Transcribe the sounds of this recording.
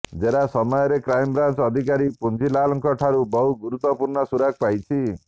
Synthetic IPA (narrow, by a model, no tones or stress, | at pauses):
d͡ʒeɾasɔmɔjɔɾekɾajmbɾant͡ʃɔd̪ʱik̬aɾipund͡ʒilalɔŋkɔʈʰaɾubɔɦuɡuɾut̪ːɔpuɾɳɔsuɾaɡ̚pajt͡ʃʰi